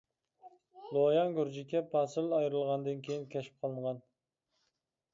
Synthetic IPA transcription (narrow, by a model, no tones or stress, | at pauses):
lˠojɑŋɡʲyɾd͡ʒikʲɛpʰɑsɨlɑjɾɨlˠʁɑnd̪ɨnkʲʰejinkʲɛʃi̥p̚qʰɑlˠɨɴʁɑn